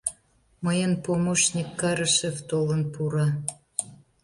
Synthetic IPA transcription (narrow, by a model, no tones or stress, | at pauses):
məjənpomoʃnʲikːɑɾəʃeft̪olə̆npuɾɑ